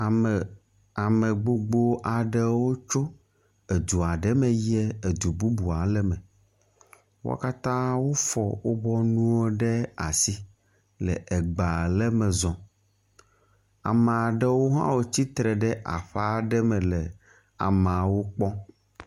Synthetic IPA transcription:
a˨mɛ˨ɡ͡bo˨ɡ͡bo˦ʔa˨ɖɛ˦wo˦t͡ʃo˦ | e˨d̪u˨a˨ɖɛ˦mɛ̃˨jɛ˦e˨d̪u˨bu˦bu˨a˨lɛ˦mɛ̃˨ | wo̰˦ka˦t̪ã˦wo˦fɔ˨wo˦bɔ˦nũ˦o˦ɖɛ˦a˨si˦ | lɛ˨ɛ˨ɡ͡ba˨lɛ˦mɛ̃˨zɔ̃˨ | a̰˨mɛ̃˨a˨ɖɛ˦wo˦ɦã̰˦wo˨t͡ɕi˦t̪ɾɛ˨ɖɛ˦ʔa̰˨ɸa˦ɖɛ˦mɛ̃˨lɛ˨ | a̰˨mã˨wo˦k͡pɔ˦

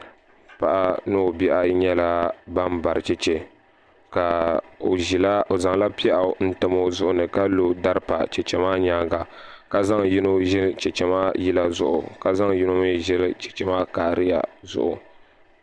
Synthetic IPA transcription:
pa̰˨ʔa˦nɨ˦o˨bi˦ʔa˦ɲɛ˦la˦ba˦mba˨ɾɨ˨t͡ʃɛ˦t͡ʃɛ˨ | ka˨o˨i˨la˦o˨za˨ŋla˦pi˦a˦ʔn̩˦tɨ˦mo˦zʊ˦ʔʊ˦nɨ˨ka˦lo˦da˦ɾɨ˦pa̰˨t͡ʃɛ˨t͡ʃɛ˨maː˦ɲaː˦ɡa˨ | ka˨za˦ŋji˦no˦ʒɛ˦lt͡ʃɛ˨t͡ʃɛ˦maː˦ji˦la˦zʊ˦ʔʊ̰˨ka˨za˦ŋji˦no˦mɨ˦ʒɛ˦lt͡ʃɛ̥˨t͡ʃɛ˨maː˦kaː˨ɾɨ˦ja̰˨zʊ̰˦ʔʊ˨

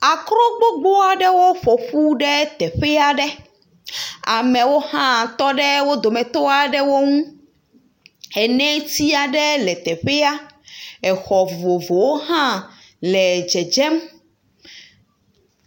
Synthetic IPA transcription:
a˨kɾɔ̃˦ɡ͡bo˦ɡ͡bo˦a˨ɖɛ˦wo˦ɸo˨ɸu˦ɖɛ˦t̪ɛ˨ɸɛ˦a˦ɖɛ˦ | a˨mɛ̃˨wo˦hã˦t̪ɔ˦ɖɛ˦wo˦d̪o˨mɛ̃˨t̪o˦a˨ɖɛ˦wo˦ŋũ˦ | ɛ˨nɛ̃˦t̪i˦a˨ɖɛ˦lɛ˨t̪ɛ˨ɸɛ˦a˦ɛ˨xɔ˨vo˨vo˨wo˦ɦã˦ | lɛ˨d͡ʒɛ˨d͡ʒɛ˦m

